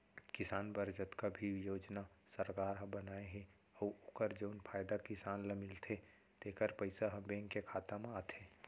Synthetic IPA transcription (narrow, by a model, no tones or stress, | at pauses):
kɪsaːnbəɾd͡ʒət̪kabʱijoːd͡ʒna | səɾkaːɾɦɐ̃bɐnaːeɦɛ̃ | ɔʊkəɾd͡ʒoːnpʰaːjd̪akɪsaːnləmɪlt̪ʰe | t̪eːkəɾpəɪsaɦɐ̃bẽːŋkekʰaːt̪amẽaːt̪ʰeː